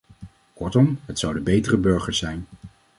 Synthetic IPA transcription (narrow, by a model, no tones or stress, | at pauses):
kɔɹtɔmɦətsʌwdəbejtərəbɵɹχəɹsɛjn